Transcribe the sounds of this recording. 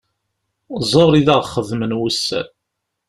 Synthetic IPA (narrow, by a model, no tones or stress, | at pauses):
zˤoɾˤiðəʁχəðmənwusːæ̰n